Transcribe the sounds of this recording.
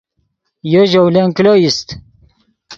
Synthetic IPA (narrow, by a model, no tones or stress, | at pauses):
joʒowleŋklojist̪